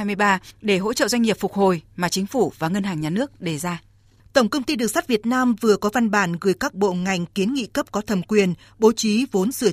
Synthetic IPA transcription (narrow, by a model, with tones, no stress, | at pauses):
a˧jmɨ˧jɓaː˧ɗe˧˩ɦo̰˧˥t͡ɕə̰ː˧˨zwa˧ŋi˨˩p̚fʊ˨˩k͡p̚ho˨˩jmaː˨˩t͡ɕï˨˦ŋ̟fu˧˩vaː˨˩ŋə˧nɦaː˨˩ŋɲaː˨˩nɨ˦˥ək̚ɗe˧˩zaː˧ | t̪ə˧˩ŋ͡mkə˧wŋ͡mt̪i˧ɗɨ˨˩ək̚sa˦˥t̚vi˨˩ət̚naː˧mvɨ˨˩əkɔ˨˦va˧nɓaː˧˩nɣɨː˨˩˦jkaː˦˥k̚ɓo̰˧˨ŋa˨˩jŋ̟ki˨˦ənŋḭ˧˨kə˦˥p̚kɔ˨˦t̪ʰə˨˩mkwi˨˩ən | ɓo˨˦t͡ɕi˨˦vo˨˦nsɨ˧˩ə